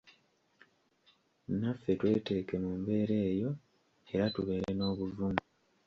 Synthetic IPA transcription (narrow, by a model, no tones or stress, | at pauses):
nafːe̞twe̞ːte̞ːke̞mumbe̞ːɾe̞ːjo̞ | e̞ɾatuβe̞ːɾeno̞ːβuvumu